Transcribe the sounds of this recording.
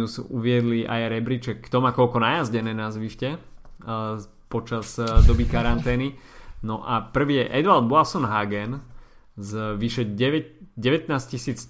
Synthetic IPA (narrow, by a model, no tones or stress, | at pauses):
usuʋɪɛd̪liʔa̰jaɾɛbɾit͡ʃɛkːt̪ɔmakɔlkɔnajazɟɛnɛːnazʋiʃcɛ | pɔt͡ʃazd̪ɔbikaɾant̪ɛːninɔʔapr̩ʋiːjɛʔɛd̪ʋald̪bɔalsɔnɦaɡɛn | zʋiʃɛɛʋɛɟɛʋɛt̪naːscisiːt͡s